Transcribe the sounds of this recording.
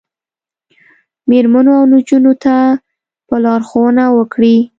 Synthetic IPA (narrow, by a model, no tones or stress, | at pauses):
meɾmanoawnud͡ʒunot̪a | pəlɑɾxowənawəkɽi